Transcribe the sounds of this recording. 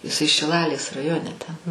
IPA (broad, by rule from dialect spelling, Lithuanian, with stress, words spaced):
ɪˈsɐɪ ʃʲɪˈlˠɑːlʲeːs rɐˈjoːnʲɛ tʲɛn